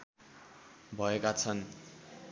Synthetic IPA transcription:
bʱʌekat͡sʰʌn

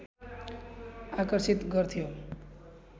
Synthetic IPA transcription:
akəɾsit̪ɡəɾt̪ʰijo

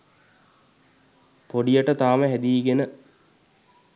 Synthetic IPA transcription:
poɖijəʈət̪aːməɦæd̪iːɡenə

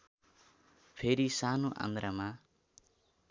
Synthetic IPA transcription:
pʰeɾisanoʔã̰nd̪ɾama

